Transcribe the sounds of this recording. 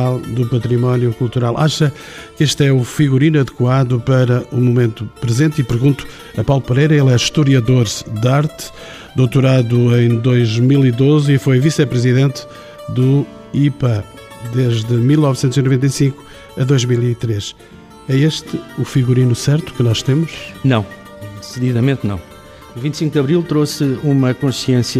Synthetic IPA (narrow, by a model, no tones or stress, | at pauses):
alˠd̪upɐt̪ɾimɔnjukulˠt̪uɾalˠʔaʃɐ | keʃt̪ɛufiɣuɾinuɐðɨkwaðupɐɾɐʔumumẽnt̪upɾɨzẽnt̪ipɨɾɣũnt̪u̥ | ɐpawlˠupɨɾejɾɐelˠɛʃt̪uɾiɐðoɾd̪aɾt̪ɨ̥ | d̪owt̪uɾaðuẽj̃d̪ojʒmilˠiðozifojvisɛpɾɨziðẽnt̪ | d̪u | ipɐ | d̪eʒðɨmilˠnɔvsẽnt̪zinuvẽnt̪ɐjsĩŋku̥ | ɐðojʒmilˠit̪ɾeʃ | ɛeʃt̪ɨufiɣuɾinusɛɾt̪u̥kɨnɔʃt̪emuʃnɐ̃w̃ | d̪ɨsɨðiðɐmẽnt̪nɐ̰̃w̃ | evĩnt̪sĩŋk̚d̪ɐβɾilˠt̪ɾosumɐkõʃiẽsjɐ